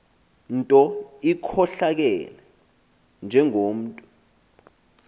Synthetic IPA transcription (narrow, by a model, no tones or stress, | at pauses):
n̩tʼɔikʰɔɬak̬ɛlɛ | nd͡ʒʱɛŋoːm̩ːtʼɔ̥